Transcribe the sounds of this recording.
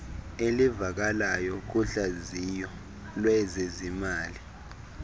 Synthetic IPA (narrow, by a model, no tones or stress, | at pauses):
elivak̬alajɔk̬uɬazijɔ | lwɛzezimaːli